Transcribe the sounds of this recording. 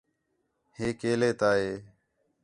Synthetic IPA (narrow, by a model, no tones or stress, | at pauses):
heːkeːleːt̪aːɦeː